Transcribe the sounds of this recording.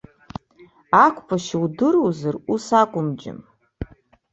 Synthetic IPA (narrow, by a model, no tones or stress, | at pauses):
akʷʰʼpʰaʃwdɨrowzarusakʷʼʊmd͡ʒɪ̰m